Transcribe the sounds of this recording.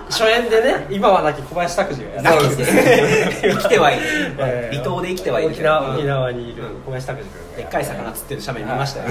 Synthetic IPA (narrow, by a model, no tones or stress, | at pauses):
ɕo̞ẽnd̪e̞ne̞imaβanakʲikʰo̞baiɕi̥t̪akɯ̟ʑinait̪e | ikʲi̥t̪e̞βaiːɾʲit̪o̞ːd̪e̞ikʲi̥t̪e̞βaĩːd̪ekʲisnaokʲinaβaɲikobaɕi̥t̪akɯ̟ʑi̥e̞kːaisakanat͡sɨ̥t̪ːe̞ɾɯ̟ɕameɲʲiimaɕi̥t̪ajo